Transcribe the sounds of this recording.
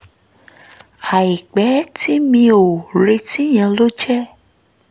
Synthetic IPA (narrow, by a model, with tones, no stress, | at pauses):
a˨i˨k͡pɛ˨˦tʰi˦mĩ˧o˨ɾe˧˦ti˦j̃ã˧lo˦t͡ʃɛ˦